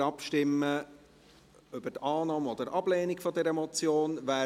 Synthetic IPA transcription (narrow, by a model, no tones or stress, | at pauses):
ɑpʃtɪmːə | ʏb̥ətɑːnɑːmɔd̥̪əɾʔɑb̥leːnikfɔd̪ɛɾəmɔt͡sjoːnvæː